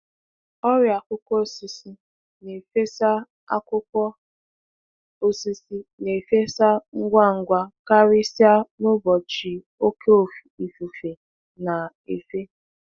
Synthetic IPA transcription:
ɔ˦ɾɪ˨a˨kʷʊ˦kʷɔ˦o˦˨si˨si˦ | ne˨fe˦sa˦ | a̰˦kʷʊ˦kʷɔ˦ | o˦si˦si˦ne˨fe˦sa˦ŋ̩˦ɡʷa˦ŋ̩˦ɡʷa˦ka˦ɾɪ˦si˦a˦nʊ˦bɔ˨t͡ʃi˨ | o˦ke˦o˨fi̥˨i˨fu˨fe˨ | na˨ | e˨fe˦

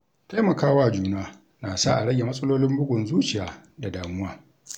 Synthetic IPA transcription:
ta˦jmɐ˨kaː˦waː˦˨d͡ʒuː˨naː˦ | naː˨saː˦˨ʔa˨ɽɐ˦ɡʲe˨mɐ˦sʼɐ˦loː˦lɪ˦mbʊ˦ɡʷʊ˨nzuː˦t͡ʃɪ˨jaː˨da˨daː˨mʊ˦waː˦

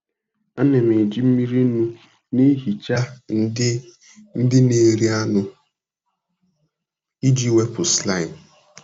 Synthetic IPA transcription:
a˦ne˨me˨d͡ʒi˦m̩˦mi˦ɾi˦nu˦ | ni˦ɦi˨t͡ʃa˦n̩˦ | n̩˦dɪ˦ne˨ɾi˦a˦nʊ˦ | i˦d͡ʒi˦we˦pʊ˨sla˦˨ɪ˨n˨

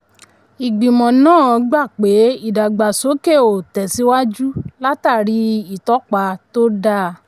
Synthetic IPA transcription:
i˨ɡ͡bĩ˨mɔ̃˨nãː˦˨ɔ˧ɡ͡ba˦˨k͡pe˨˦i˦˨da˨ɡ͡ba˨so˨˦ke˦˨o˨tɛ˨si˦wa˦d͡ʒu˦la˦ta˦˨ɾi˨˦i˨tɔ˨˦k͡pa˧to˦da˦˨

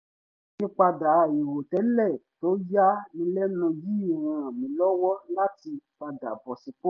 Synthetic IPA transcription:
kĩ˦k͡pa˧da˨˦˨je˨wo˨tɛ˨˦lɛ˦˨to˦ja˦nĩ˧lɛ˦nũ˧ji˦˨wɔ̃˧a˨mĩ˨˦lɔ˦wɔ˦la˦ti˧k͡pa˧da̰˨bɔ˨si˨k͡po˦

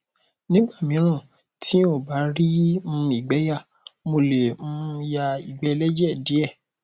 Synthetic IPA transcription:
nĩ˦ɡ͡ba˦˨mĩ˨˦ɾ̃ã˦˨ | tʰi˦o˦˨ba˨˦ɾi˦mũ˦i˦˨ɡ͡bɛ˨˦ja˦˨ | mo˧le˨ũ˦ja˧i˨ɡ͡bɛ˨˦lɛ˦d͡ʒɛ˦˨di˨˦ɛ˦˨

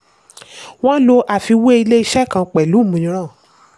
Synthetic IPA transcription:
w̃ɔ̃˦lo˧ʔa˨fi˧we˦i˧le˦i˧ʃɛ˦˨kã˧k͡pɛ˨lu˨˦˨mũ˨˧ĩ˧˦ɾ̃ã˦˨

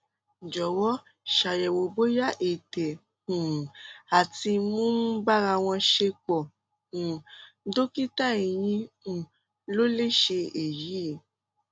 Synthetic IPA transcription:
d͡ʒɔ˨wɔ˦ | ʃa˨jɛ˨wo˨ɡ͡bo˨˦ja˦ʔe˨tɛ˨ | ũ˨a˨ti˧mũ˦ba˦ɾa˧w̃ɔ̃˧ʃe˧k͡pɔ˨ | ũ˨˦do˦ki˦ta˦˨i˨j̃ĩ˧˦ | ũ˨ | lo˦le˦˨ʃe˧e˨ji˨˦˨

